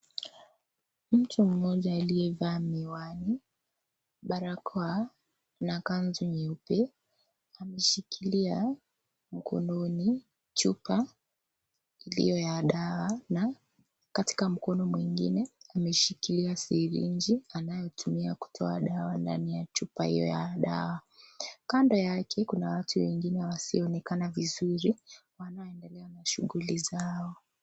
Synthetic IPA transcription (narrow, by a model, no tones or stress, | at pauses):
m̩tum̩ːɔʄaːliɛvaːmiwani | ɓaɾakʰɔa | nakanzuɲiupɛ | amɛʃikilia | m̩kʰɔ̰nɔni | t͡ʃupa | ilḭjɔjaɗawana | kati̥kam̩kɔnɔmwiŋɡḭnɛamɛʃikiliasiɾḭɲd͡ʒianajɔtʰumiaku̥tʰɔaɗawanda̰nijat͡ʃupahḭjɔ̰jaɗa̰wakandɔjakʰɛkunawatʰuwɛ̰ŋɡinɛwasiɔɔnɛkanavizuɾiwanaɔɛndɛlɛanaʃuɣulizaɔ